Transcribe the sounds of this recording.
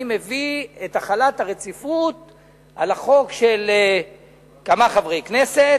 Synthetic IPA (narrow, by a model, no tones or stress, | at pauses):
imevietaχalataʁet͡sifut̪̚ | alaχo̞kʃel | kamaχavʁejknese